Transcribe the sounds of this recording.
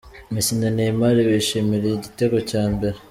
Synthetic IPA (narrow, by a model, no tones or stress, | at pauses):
misinanemaɾiβeʃimiɾeiɟiteɡocaːmbe̞ɾe